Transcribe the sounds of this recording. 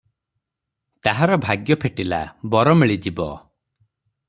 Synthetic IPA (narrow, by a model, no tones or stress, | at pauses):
t̪aɦaɾɔbʱaɡjɔpʰeʈila̰bɔɾɔmiɭid͡ʒibɔ